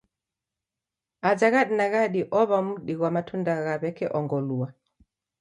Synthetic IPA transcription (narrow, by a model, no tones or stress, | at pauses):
azaɣaɗinaɣaɗiʔɔβamuɗiɣwamatʰundaɣaβɛkɛʔɔŋɡɔlua